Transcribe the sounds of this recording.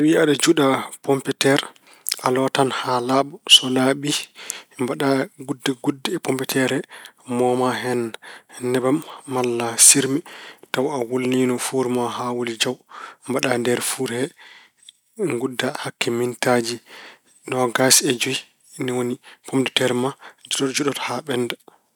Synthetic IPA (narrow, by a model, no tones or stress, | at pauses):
awiaɗad͡ʒuɗapɔmpɛtɛɾ | alɔtanhalaːɓɔsɔnaɓimbaɗaɡudːaɡudːapɔmpɛtʰɛɾɛmɔmaɦɛnnɛbamːalːasiɾmitawawolninɔfuɾmaɦawolid͡ʒawmbaɗandɛɾfuɾhɛ | ŋɡudːahakːɛmintad͡ʒi | nɔɡasɛd͡ʒuji | niwonipʰomdɛtɛɾmad͡ʒuɗɔtd͡ʒuɗɔthaɓɛnda